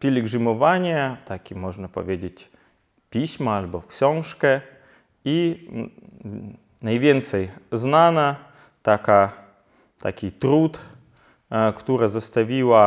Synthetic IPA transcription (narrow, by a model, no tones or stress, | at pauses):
pʲɪlʲɪɡʐɨmɐvanʲɪjət̪akʲimoʐnɐpɐ̰vʲedʲɪtʲ | pʲisʲmɐalʲbofksʲonʂkə | i | nɐjvʲent̪səjznanɐ | t̪aka | t̪akʲijt̪ɾut̪ | kɐ̥t̪uɾəzɐst̪ɐvʲilˠɐ